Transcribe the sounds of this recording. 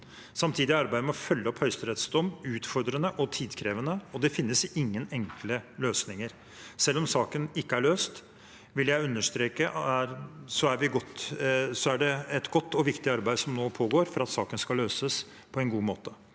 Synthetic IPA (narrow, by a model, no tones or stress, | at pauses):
sɑmt̪ʰiːd̪ɪɑɾbæɪd̪əmɔfœlːəɔphœʏst̪əɾɛt̪sd̪ɔmːʉːt̪fɔɾd̪ɾənəʔɔt̪ʰiːd̪kʰɾeːʋənəɔd̪ɛfɪnːəsɪŋːənɛŋkləløːsnɪŋəɾ | sɛlːɔmsɑːkənɪkːəæɭøːst̪ | ʋɪljæɪʉnːəʂt̪ɾeːkəæɾsɔæɾʋɪɡɔt̪ːsɔæɖɛɛt̪ɡɔt̪ːɔʋɪkt̪ɪɑɾbæɪd̪sɔmnoːpʰoːɡoːɾfɔɾɑt̪sɑːkənskɑlːøːsəs | pʰɔɛnɡuːmoːt̪ə